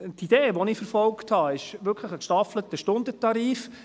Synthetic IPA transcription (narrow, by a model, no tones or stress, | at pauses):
tid̥eːʋɔniːfəɾfɔlkthɑɪʃʋʏɾkʰləχəkʃtɑflətəʃtʊndətɑɾiːf